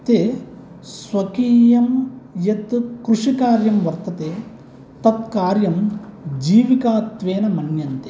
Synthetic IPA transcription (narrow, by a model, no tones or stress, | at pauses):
t̪eː | sʋɐkiːjɐmjɐt̪kɾuʂikaːɾjɐmʋɐɾt̪ɐt̪eː | t̪ɐt̪̚kaːɾjɐmd͡ʒiːʋikaːt̪ʋeːnɐmɐnjɐnt̪e